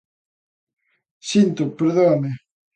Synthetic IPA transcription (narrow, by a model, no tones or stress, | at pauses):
sint̪ʊpeɾðoame